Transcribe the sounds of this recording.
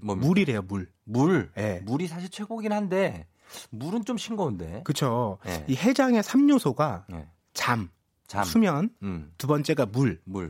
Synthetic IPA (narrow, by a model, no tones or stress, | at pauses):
muɾiɾe̞jomuɭ | muɭje̞muɾisʰaɕ̬ʰiɭt͡ɕʰweɡoɡinhande̞ | muɾɯnt͡ɕomɕʰinɡʌunde̞̰kɯt͡ɕʰoihe̞d͡ʑaŋe̞sʰamɲusʰoɡa | t͡ɕam | t͡ɕasʰumjʌntubʌnt͡ɕ͈e̞ɡamuɭmuɭ